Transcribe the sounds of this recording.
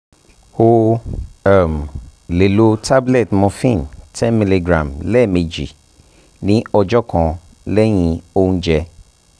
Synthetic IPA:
ho˦ | ɛ˨mle˨lo˦tʰa˦blɛ˨tmɔ̃˨fĩ˦˨ntʰɛ̃˦mi˨le˨ɡɾã̰˨mlɛ˦˨me˨d͡ʒḭ˨ | nĩ˦ɔ˨d͡ʒɔ˦kʰɔ̃˨ | lɛ˦ɲĩ˨o˦ŋ̃˦d͡ʒɛ˦

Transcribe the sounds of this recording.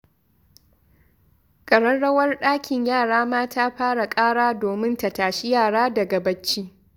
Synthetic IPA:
kʼɐ˨ɽɐ˦nɽɐ˦wɐ˦rɗaː˦kʲʰɪ˨ɲjaː˦˨ɽaː˦maː˦taː˦ɸaː˦ɽa˨kʼaː˦ɽaː˦doː˨mɪ˦nta˨taː˨ʃi˦jaː˦˨ɽaː˦dɐ˨ɡa˨bɐ˦t͡ʃːiː˦

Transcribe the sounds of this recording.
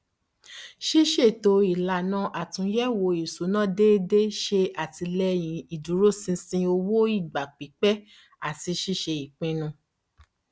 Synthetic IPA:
ʃi˦ʃe˦˨to˨˧˦i˨la˨nã˨˧ʔa˨tũ˨˦jɛ˦wo˧i˨su˨˦nã˦˨de˦de˦ʃe˧a˨ti˧lɛ˧j̃ĩ˨˦i˨du˨˦ɾo˦sĩ˧sĩ˧o˧wo˦i˦˨ɡ͡ba˨k͡pi˨˦k͡pɛ˦ | a˦˨ti˧ʃi˦ʃe˧i˨k͡pĩ˧nũ˧

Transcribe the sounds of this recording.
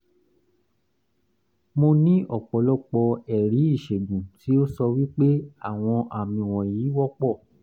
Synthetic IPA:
mo˧nĩ˦ʔɔ˦˨k͡pɔ˨˦lɔ˦˨k͡pɔ˧ɛ˨ɾi˨˦i˦˨ʃe˨ɡũ˨ti˨˦o˦sɔ˧wi˦k͡pe˦a˦˨w̃ɔ̃˧ʔa˨mĩ˨w̃ɔ̃˨jiː˨˦wɔ˦k͡pɔ˦˨

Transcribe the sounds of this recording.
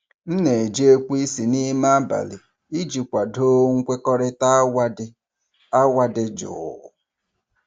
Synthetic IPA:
n̩˦ne˨d͡ʒe˦kʷu˦i˦si˨ni˦ma˦ba̰˨lɪ˨ | i˦d͡ʒi˨kʷa˨do˦ŋ̩˦kʷe˦kɔ˦ɾɪ˦ta˦wa˦ɪ˦ | a˦wa˦dɪ˦d͡ʒʊ̰˨

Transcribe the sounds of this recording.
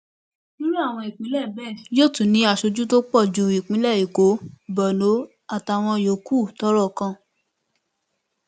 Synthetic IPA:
nũ˦ɾu˦a˦˨w̃ɔ̃˧i˨k͡pĩ˨˦lɛ˦˨bɛ˦˨jo˦˨tũ˨nĩ˨˧˦a˨ʃo˧d͡ʒu˦to˦k͡pɔ˦˨d͡ʒu˧˨i˨k͡pĩ˨˦lɛ˦˨i˨ko˨˦bɔ˨no˨˦ | a˦˨ta˨˧˨w̃ɔ̃˧jo˨˦ku˦˨tɔ˦ɾɔ˦˨kã˧

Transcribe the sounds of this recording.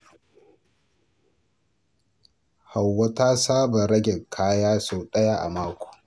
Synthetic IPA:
ha˨wːɐ˦ta˦saː˦ba˨ɾɐ˦ɡʲɛ˨kʰaː˦jaː˦soː˨ɗɐ˦ja˦˨ʔa̰˨maː˦kʷo̥ː˨

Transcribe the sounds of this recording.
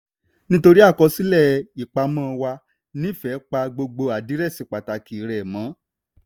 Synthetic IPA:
nĩ˦to˧ɾi˦a˦˨kɔ˧si˦lɛ˦˨i˨k͡pa˧mã˦˨˧wa˧ | nĩ˦˨fɛ˨˦k͡pa˧ɡ͡bo˧ɡ͡bo˧a˨di˨˦ɾɛ˦˨si˨˧˦k͡pa˨ta˨˦ki˨˦ɾɛ˨mã˨˦

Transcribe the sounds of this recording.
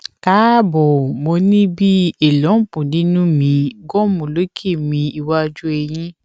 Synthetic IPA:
ka˨˦bɔ˨mo˧nĩ˦bi˦e˨lɔ̃˨˦pũ˨nĩ˨˦nũ˦mĩ˨˧ɡɔ˦mũ˨lo˨˦kʰe˦˨mĩ˧i˧wa˧d͡ʒu˦e˧j̃ĩ˦

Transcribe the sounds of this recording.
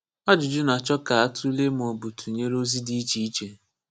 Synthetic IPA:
a˦d͡ʒʊ˨d͡ʒʊ˦na˨t͡ʃɔ˦ka˨a˦tʰu˦le˦m˨o˨bu˨tʰu˨ɲe˦ɾo˦zi˦di˦i˦t͡ʃi˦i˦t͡ʃe˨

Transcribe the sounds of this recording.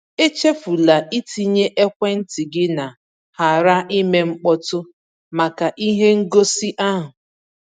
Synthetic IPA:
e˦t͡ʃe˦fu˨la˨ʔi˦ti˨ɲe˦ʔe˦kʷe˦n̩˦ti˨ɡɪ˦na˨ | ha˨ɾa˦ʔi˦me˦ŋ͡m̩˦k͡pɔ˦tʊ˦ | ma˨ka˨ʔi˦ɦe˦ŋ̩˦ɡo˦si˦ʔa˦ɦʊ˨

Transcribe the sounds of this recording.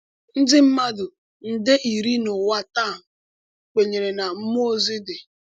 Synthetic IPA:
n̩˦dɪ˦m̩˦ma˦dʊ˨ | n̩˨dɪ˦ʔi˨ɾi˦nʊ˨wa˦taː˦˨m̩˨ | k͡pe˨ɲe˨ɾe˨na˨m̩˦m˦o˦zɪ˦dɪ˨

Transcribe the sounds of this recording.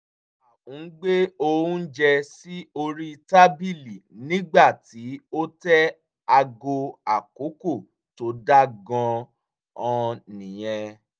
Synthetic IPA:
a˨ũ˨˦ɡ͡be˦o˧wũ˦n̩˦d͡ʒɛ˧si˦o˧ɾi˦i˧ta˦bi˦˨li˨nĩ˦ɡ͡ba˦˨ti˨˦o˦tɛ˦ | a˧ɡo˧a˨ko˨˦ko˦˨ | to˨˦da˦ɡɔ̃˧ | ɔ̃˧nĩ˨j̃ɛ̃˧

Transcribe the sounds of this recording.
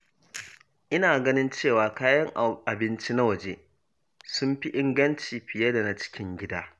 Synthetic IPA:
ʔɪ˦naː˨ɡɐ˦nɪ˦nt͡ʃeː˦˨waː˨kaː˦jɐ˦ŋʔa˨bɪ˦nt͡ʃi˦na˦wɐ˨d͡ʒeː˦ | sʊ˦mɸi˦ʔɪ˦ŋɡɐ˦nt͡ʃiː˨ɸɪ˨jɐ˦da˨na˦t͡ʃɪ̥˦kʲʰɪ˦ŋɡʲɪ˦daː˦

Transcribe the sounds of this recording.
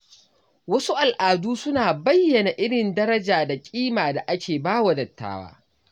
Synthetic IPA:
wɐ˦su˦ʔa˨lʔaː˨duː˦sʊ˦naː˨bɐ˦jːɐ˨na˨ʔɪ˦ɽɪ˨ndɐ˦ɾɐ˦d͡ʒaː˨da˨kʲʼiː˦maː˨da˨ʔa˦kʲʰeː˨baː˦wa˨dɐ˨tːa̰ː˦wa̰ː˦

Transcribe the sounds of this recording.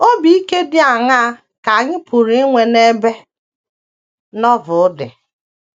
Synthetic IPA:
o˦bi˦i˦ke˦dɪ˦a˨ŋa˦a˦ | ka˨a˨ɲɪ˦pʰu˨ɾi˦ŋʷe˨ne˦be˦ | nɔ˦vʊ˨ʊ˦dɪ˨

